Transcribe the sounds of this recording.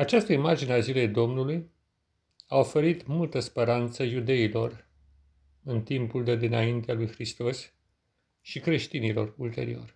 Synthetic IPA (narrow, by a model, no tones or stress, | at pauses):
at͡ʃast̪əimard͡ʒineazile̞jd̪o̞mnuluj | ao̞fe̞ɾit̪mult̪əspe̞ɾant̪səjud̪e̞ilo̞r | ɨnt̪impuld̪ed̪inaint̪ealujxɾist̪o̞s | ʃikɾe̞ʃt̪inilo̞̰rult̪e̞̰ɾḭo̞̰rʲ